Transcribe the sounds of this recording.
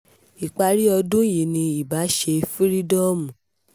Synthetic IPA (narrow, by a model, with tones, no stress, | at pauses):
i˨k͡pa˧ɾi˦ɔ˧dũ˦ji˨nĩ˧i˨ba˨˦ʃe˧fi˦ɾi˦dɔ˦mũ˨